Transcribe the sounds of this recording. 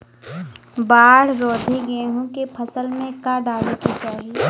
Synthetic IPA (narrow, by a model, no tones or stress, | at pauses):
baːɽ̤ɾɔːd̪ʱiɡeːɦũkepʰəsəlmẽkaɖaːlekit͡ʃaːɦi